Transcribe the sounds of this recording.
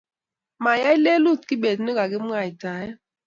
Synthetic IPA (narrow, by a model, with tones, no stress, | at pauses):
ma˨ja˦i˦le˦lu˦˨tki˦be˨tno˦ɡa˨ɡɪ˦m̩˦ŋa˨i˨ta˨˦ja˦